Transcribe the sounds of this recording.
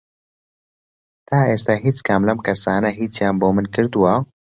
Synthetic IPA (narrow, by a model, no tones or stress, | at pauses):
t̪aːʔeːst̪aːɦiːt͡skʰamlɐmkʰɐsaːnɐɦiːt͡sjaːmboːmɨnkɨɾd̪uwɐ